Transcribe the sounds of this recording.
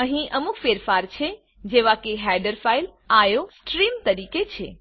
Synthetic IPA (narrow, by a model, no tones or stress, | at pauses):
ə̃ɦĩʔəmukʰfeɾfaɾt͡ʃʰe | d͡ʒeʋakeɦɛɖəɾfail | ajosʈɾimt̪əɾiːket͡ʃʰe